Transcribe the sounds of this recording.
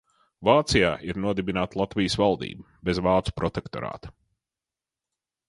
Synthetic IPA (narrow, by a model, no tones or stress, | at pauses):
vaːt̪sijaːʔiɾnuɔd̪ibinaːt̪lˠat̪vʲijsvalˠd̪ḭːbubezvaːt̪su̥pɾɔt̪ekt̪ɔɾa̰ːt̪ɐ̥